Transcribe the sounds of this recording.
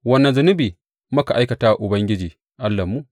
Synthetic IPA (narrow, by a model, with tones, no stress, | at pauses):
wɐ˦nːɐ˨nzʊ˦nʊ˦biː˨ | mɐ˦ka˨ʔa˦jkɐ˨taː˦˨ʔʊ˨bɐ˦ŋɡʲɪ˦d͡ʒiː˨ | ʔa˦lːɐ˨mːu˦